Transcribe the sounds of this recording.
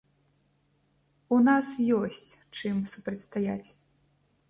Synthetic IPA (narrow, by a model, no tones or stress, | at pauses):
unasjɔsʲt͡sʲt͡ʂɨmsupɾɐt̪ʲst̪aja̰t͡sʲ